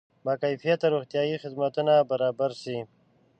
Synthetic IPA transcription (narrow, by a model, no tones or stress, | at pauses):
makajfijat̪aɾuxt̪ijɑjixɪd̪mat̪unabaɾɑbaɾsi